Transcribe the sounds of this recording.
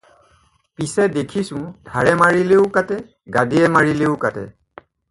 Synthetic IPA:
pisɛdekʰisʊ̃dʱaɹɛmaɹileʊkatɛ | ɡadiɛmaɹileʊkatɛ̰

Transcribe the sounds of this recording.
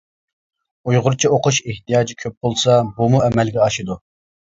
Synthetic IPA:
ujʁʊɾt͡ʃʰioqʰʊʃeht̪ijɑːd͡ʒikʲʰøp̚bolˠsɑbumuɛmɛlɡʲɛɑʃid̪u

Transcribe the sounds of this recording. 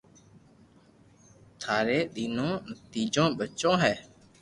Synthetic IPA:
t̪ʰaːɾeːɗ̪iːnõːnət̪iːd͡ʒõːɓət͡ʃõːɦɛː

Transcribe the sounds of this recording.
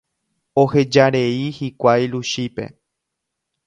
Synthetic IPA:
o̞he̞d͡ʒaɾe̞ihikʷajluʃipe̞̰

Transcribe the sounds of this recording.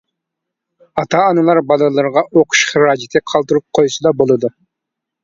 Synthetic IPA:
ɑt̪ʰɑːnɨlˠɑɾbɑlˠɨlˠɨɾʁɑʔoqʰʊ̥ʃχɨɾɑːd͡ʒɪt̪ʰɪqʰɑlˠt̪ɨɾup̚qʰojsɨd̪ɑbolˠɨd̪u

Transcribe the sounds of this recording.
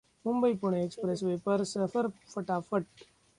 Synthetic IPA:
mumbəipuɳ̃ekspɾesʋepəɾsəfəɾfəʈafəʈ̚

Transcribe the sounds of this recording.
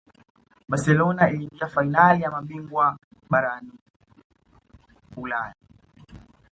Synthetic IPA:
ɓasɛlɔnailiːŋɡiafainalijamaɓiŋɡwa | ɓaɾani | hulaja

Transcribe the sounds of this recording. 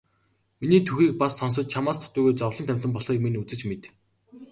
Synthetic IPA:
miniːt̪ʰuxiːk̚pasːɔns̬ɞ̆t͡ɕ̚t͡ɕʰamaːst̪ʰʊ̥t̪ʊːɣujt͡ɕɔwɮɞ̆nʰæm̥ʲt̪ə̆mpɔɮχiːkminut͡sɘ̆t͡ɕmet̪

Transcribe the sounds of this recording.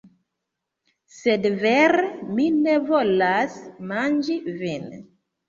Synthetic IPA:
sedveɾeminevolasmand͡ʒivɛne

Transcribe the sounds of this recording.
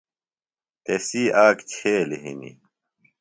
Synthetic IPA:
t̪esiaːkt͡ɕʰeːleɦḭnḭ

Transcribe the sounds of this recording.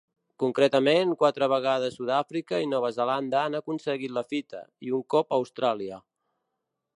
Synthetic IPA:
kuŋkɾɛt̪əmeŋkwat̪ɾəβ̞əɣ̞að̞əsuðafɾikəinɔβ̞əzəland̪əanəkunsəɣit̪ləfit̪ʰə̰iuŋkɔpəwst̪ɾaliə

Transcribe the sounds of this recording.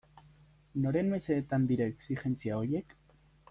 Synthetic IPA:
no̞ɾe̞nme̞se̞ːt̪and̪iɾaeksixe̞nt͡siao̞ɾje̞k

